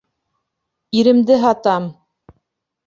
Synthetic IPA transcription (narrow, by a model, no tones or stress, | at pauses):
iɾɘ̆md̪ɘɦɑt̪ɑm